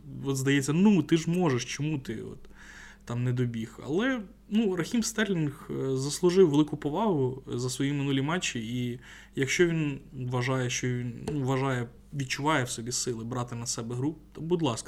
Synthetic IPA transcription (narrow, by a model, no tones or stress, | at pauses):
ɔt̪zd̪ɐjɛt͡sʲːɐnut̪ɪʒmɔʒeʃt͡ʃɔmut̪ɪɔ̰t̪ː | ɑmnɛd̪ɔbʲixɐ̰lˠɛ | nurɐxʲimst̪ɛrlʲinxzɐslˠʊʒɪwʋelˠɪkʊpɔʋɑɦʊzɐsʋɔjimɪnulʲimɑt͡ʃːii | jɐkʃt͡ʃɔʋʲinʋɐʒɑjɛʃt͡ʃɔʋʲinnuʋɐʒɑjɛ | ʋʲid̪̚t͡ʃʊʋɑjɛwsɔbʲisɪlˠɪbɾɑt̪ɪnɐsɛbɛɦɾupt̪ɔbʊd̪lˠɑskɐ̥